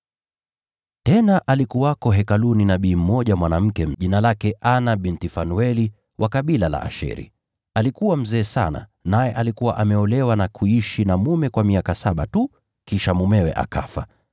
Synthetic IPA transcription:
tɛnaʔalikuwakɔɦɛkaluninaɓiːm̩mɔʄamwanam̩kɛʄinalakɛʔanaɓintifanuɛli | wʔakaɓilala̰ʔa̰ʃɛ̰ɾḭ | alikuwam̩zɛːsa̰na̰najɛʔalikuwa̰ʔamɛɔlɛwanakʰuiʃinamumɛkwamiakasaɓatu | kiʃamumɛwɛ̰ʔa̰kafa

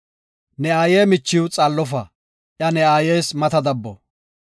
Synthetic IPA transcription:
nɛaːjeːmɪt͡ʃːɪwʊt͡sʼɐlːɔfɐ | ʔjɐnɛaːje̞ːsmɐt̪ɐd̪ɐbːɔ̰

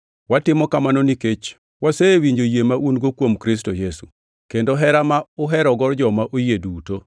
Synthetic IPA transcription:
watɪmɔkamanoniket͡ʃ | wasewiɲd͡ʒojemaʔunɡokwomkɾis̬tojesu | kendoɦɛɾamaʊɦɛɾɔɡɔɾd͡ʒɔmaʔojeduto

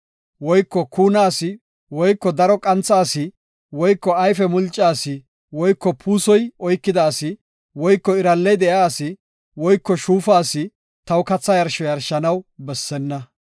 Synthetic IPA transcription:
wɔjkːɔkuːnaːsɪ | wɔjkːɔd̪ɐɾɔkʼɐnt͡sːaːsɪ | wɔjkːɔɐjfɛmʊlt͡ʃʼːaːsɪ | wɔjkːɔpʰuːsɔjɔjkːɪd̪aːsɪ | wɔjkːɔɪɾɐlːɛjd̪ɛjaːsɪ | wɔjkːɔʃuːfaːsɪ | t̪ɐwkɐt͡sːɐjɐɾʃɔjɐɾʃɐnɐwbɛsːɛnːɐ

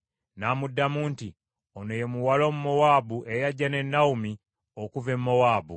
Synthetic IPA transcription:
naːmudːamuːnti | onojemuwalo̞ːmumo̞waːbuʔejaɟːane̞nːaumi | okuvemːowaːbṵ

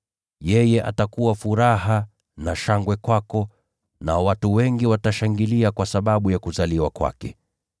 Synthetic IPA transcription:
jɛjɛʔa̰takuwafuɾaha | naʃaŋɡwɛkwakɔ | nawatuwɛŋɡiwataʃaŋɡiliakwasaɓaɓujakuzaliwakwa̰kɛ̰

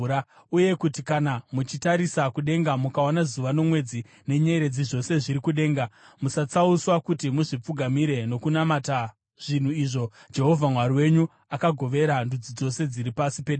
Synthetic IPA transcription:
a | uje̞kutikanamut͡ʃitaɾisakuɗe̞ŋɡamukawanazuʋano̞mwe̞d͡zi | ne̞ɲeɾe̞d͡ziʐo̞se̞ʐiɾikuɗe̞ːŋɡa | musat͡sauswakutimuʐip͡fuɡʱamiɾe̞no̞kunamata | ʐ̥in̤uiʐo̞d͡ʒe̞ɦo̞vʱamwaɾiwe̞ɲu | akaɡʱo̞ʋe̞ɾandud͡zid͡zo̞se̞d͡ziɾipasipe̞ɗ

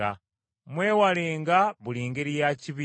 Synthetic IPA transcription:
a | mweːwaleːŋɡaβuliːŋɡeɾijaciβi

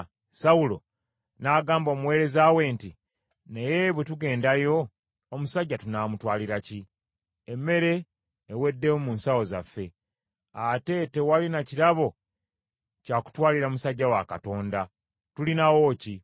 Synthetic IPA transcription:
sawulo̞̰ | naːɡaːmbo̞ːmuwe̞ːɾe̞zawe̞nti | nejeβwetuɡe̞ːndajo̞ː | musaɟːatunaːmutwaːliɾaci | emːe̞ɾe̞ː | we̞dːe̞womuːnsawo̞za̰fːe̞ | ate̞te̞walinaciɾaβo̞ | caːku̥twaːliɾamusaɟːawakato̞ːnda | tulinawo̞ci

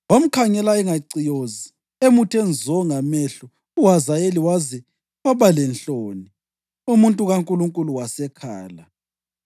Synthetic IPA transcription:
wam̩kʰaŋɛlaɛŋaǀijozi | emutʰɛnd͡zʱɔŋamɛɬɔ | uɦazajeliwazi | waβalɛnɬoːni | umuntʼuɣaŋkʼuluŋkʼuluwasɛkʰaːla

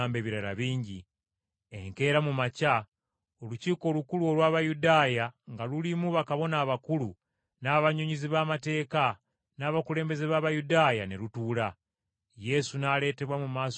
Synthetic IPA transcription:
aːmbe̞βiɾala̰βiːɲɟi | e̞̰ŋke̞ːɾamumaca | o̞luciːko̞ːlukuluo̞lwaːβajudaːjaŋɡalulimuβakaβo̞naːβakulu | naːβaɲoɲiziβaːmate̞ːka | naːβakule̞ːmbe̞zeβaːβajudaːjane̞lutuːla | je̞sunaːle̞ːte̞βwamumaːs

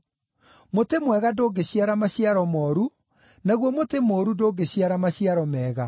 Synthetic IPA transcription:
motemwɛɣadoːɡeɕiaɾamaɕjaɾɔmɔːɾu | naɣwɔmotemoːɾudoːɡeɕjaɾamaɕiaɾɔmɛːɣa

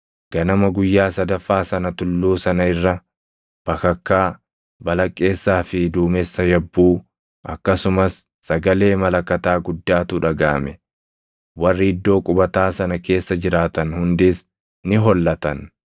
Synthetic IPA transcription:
ɡ̥ɐnɐmɐɡʊjːaːsɐd̪ɐfːaːsɐnɐt̪ʊlːuːsɐnɐɪrːɐ | b̥ɐkɐkːaː | bɐlɐkʼːe̞ːsːaːfɪd̪uːmɛsːɐjɐbːuː | ʔɐkːɐsʊmɐsː | ɐɡɐle̞ːmɐlɐkːɐt̪aːɡʊd̪ːaːt̪ʊᶑɐɡaːmɛ | wɐrːɪɪd̪ːo̞ːkʼʊbɐt̪aːsɐnɐke̞ːsːɐd͡ʒɪɾaːt̪ɐnhʊnd̪ɪs | nɪɦɔlːɐt̪ɐn

